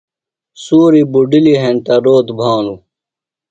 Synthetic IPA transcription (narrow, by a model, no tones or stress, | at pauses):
suːɾibuɖiliɦẽnt̪ɐɾoːt̪bʱaːlu